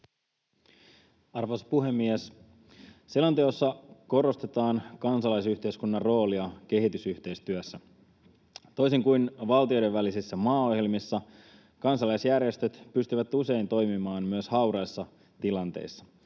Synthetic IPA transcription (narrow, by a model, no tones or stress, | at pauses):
ɑrʋospuɦe̞mːies | selɑnt̪eosːɑko̞ɾo̞st̪e̞t̪ɑːnkɑnsɑlɑjsyçt̪e̞iskunːɑrro̞ːliɑk̟e̞ɦit̪ysyht̪e̞jst̪yæsːæ | t̪o̞jsiŋkujnʋɑlt̪io̞jdeʋʋælisisːæmɑːo̞hje̞lmisːɑ | kɑnsɑlɑjsjærje̞st̪øt̪pyst̪yʋæt̪use̞int̪o̞jmimɑːnmyøshɑwɾɑjsːɑ | t̪ilɑnt̪ḛjsːɑ̥